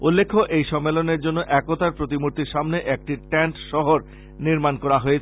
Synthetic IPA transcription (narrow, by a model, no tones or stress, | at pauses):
ulːekʰːoʔejʃɔmːeloneɾd͡ʑonːoʔɛkot̪aɾpɾot̪imuɾt̪iɾʃamneʔek̚ʈiʈɛɳʈʃɔɦoɾ | niɾmankɔɾaɦoet͡ɕʰ